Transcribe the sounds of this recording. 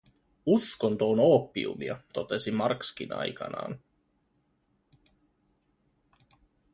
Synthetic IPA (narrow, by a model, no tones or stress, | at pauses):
usko̞nt̪oːnoːpːḭṵmḭɑ̰t̪o̞t̪e̞simɑrksk̟inɑ̰jkɑ̰nɑ̰ːn